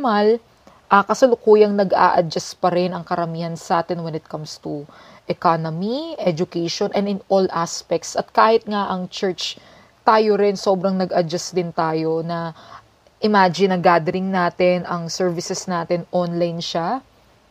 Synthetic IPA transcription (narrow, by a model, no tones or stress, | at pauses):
mal | ʔɐkɐsɐlʊkuːjɐŋnɐɡʔa̰ʔɐd͡ʒɐspɐɾɛnɐŋkɐɾɐmiːhɐnsɐʔaːt̪ɛnwɛnɪt̪̚kɐmst̪u | ʔɛkanomiʔɛd͡ʒʊkɛjʃonʔɛnd̪ɪnʔolʔaspɛk̚t̪sɐt̪̚kaːhɪt̪̚ŋaʔɐŋt͡ʃɛɹt͡ʃ | t̪aːjoɾɪnso̞ːbɾɐŋnɐɡɐd͡ʒasd̪ɪnt̪aːjo̞nɐ | ʔɪmaːd͡ʒɪnɐɡaːd̪ɛɾɪŋnaːt̪ɛnɐŋsɛɹvɪsɛsnaːt̪ɛnʔonlajnʃa